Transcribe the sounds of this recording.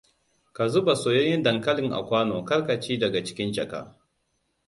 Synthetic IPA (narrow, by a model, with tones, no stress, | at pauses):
ka˨zʊ˦ba˨soː˨jo˦jɪ˦ndɐ˨ŋkɐ˦lɪ˨ŋʔa̰˨kʷaː˦noː˨kɐ˦rkɐ˨t͡ʃiː˦dɐ˨ɡa˨t͡ʃɪ̥˦kʲɪ˦nd͡ʒɐ˨ka̰˦